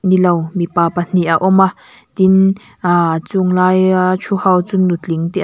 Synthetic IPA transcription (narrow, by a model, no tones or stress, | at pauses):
nilɔwmipaːpan̥iʔaʔɔma | t̪in | at͡sʊŋlaːjat͡sʰuhawt͡sʊnːut͡ɬiŋt̪iʔ